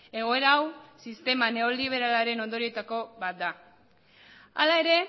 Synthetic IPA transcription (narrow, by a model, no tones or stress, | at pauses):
e̞ɣo̞e̞ɾawsist̪e̞mane̞o̞liβ̞e̞ɾalaɾe̞no̞nd̪oɾie̞t̪ako̞bat̪̚d̪a | a̰lae̞ɾe̞